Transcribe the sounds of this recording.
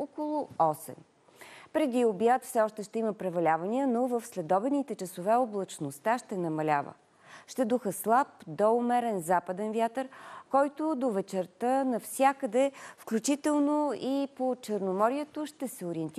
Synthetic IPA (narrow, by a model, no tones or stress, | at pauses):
okolˠʊɔsɛ̰m | pɾɛd̪iobjat̪fsɛɔʃt̪ɛʃt̪ɛiməpɾɛvɐlʲavəniənovəfslɛd̪ɔbɛnit̪ɛt͡ʃəsovɛoblˠɐt͡ʃnost̪aʃt̪ɛnɐmɐlʲa̰və̰ | ʃt̪ɛd̪uxəslˠapd̪ɔʊmɛɾɛnzapəd̪ɛnvjat̪əɾkɔjt̪od̪ovɛt͡ʃɛɾt̪ənɐfsʲjakəd̪ɛfklʲut͡ʃit̪ɛlˠnoipot͡ʃəɾnomɔɾiɛt̪oʃt̪ɛsɛoɾiɛnt̪